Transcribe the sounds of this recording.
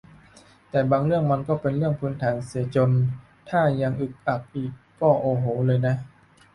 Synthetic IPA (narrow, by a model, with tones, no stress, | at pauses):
t̪ɛː˨˩baː˧ŋɾɯ˥˩əŋma˧nkɔː˥˩pe˧nɾɯ˥˩əŋpʰɯː˦˥nt̪ʰaː˩˦nsi˩˦ɐt͡ɕo˧n | t̪ʰaː˥˩ja˧ŋʔɯ˨˩k̚ʔa˨˩k̚ʔiː˨˩kkɔː˥˩ʔoː˧ɦoː˩˦lɤː˧jna˦˥